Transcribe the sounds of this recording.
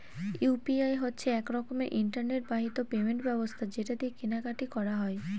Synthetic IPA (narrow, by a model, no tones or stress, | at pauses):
jupiajɦotːɕʰeɛkɾɔkomeʔiɳʈaɾneʈ̚baɦit̪opemeɳʈbɛbost̪ʰad͡ʑeʈad̪ikinaɡaʈikɔɾaɦɔe